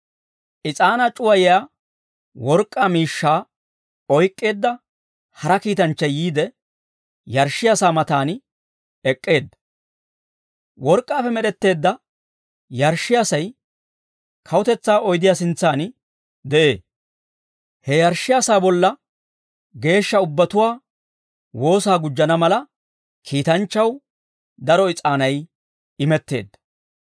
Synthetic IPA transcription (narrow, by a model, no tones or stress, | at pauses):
ʔɪt͡sʼaːnɐt͡ʃʼʊwɐjɪjaː | wɔɾkʼːaːmiːʃːaː | ɔjkʼːe̞ːd̪ːɐ | hɐɾɐkiːt̪ɐnt͡ʃːɐjiːd̪ɛ | jɐɾʃːɪjaːsaːmɐt̪aːn | ɛkʼːe̞ːd̪ːɐ | wɔɾkʼːaːfɛmɛɗɛt̪ːe̞ːd̪ːɐ | jɐɾʃːɪjaːsɐj | kʰɐwʊt̪ɛt͡sːaːɔjd̪ɪjasɪnt͡sːaːn | d̪ɛʔe̞ː | hɛjɐɾʃːɪjaːsaːbɔlːɐ | ɡe̞ːʃːɐʊbːɐt̪ʊwaː | wo̞ːsaːɡʊd͡ʒːɐnɐmɐlɐ | kʰiːt̪ɐnt͡ʃːɐw | d̪ɐɾɔɪt͡sʼaːnɐj | ɪmɛt̪ːe̞̰ːd̪ːɐ̥